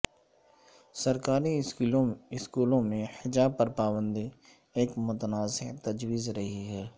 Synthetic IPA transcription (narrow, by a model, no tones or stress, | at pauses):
sɐɾkaːɾi | ɪskuːlõmẽhɪd͡ʒaːb̚pɐɾpaːbə̃nd̪i | eːkmʊt̪ənaːzɪɦt̪ɐd͡ʒwiːzɾɐɦiɦɛː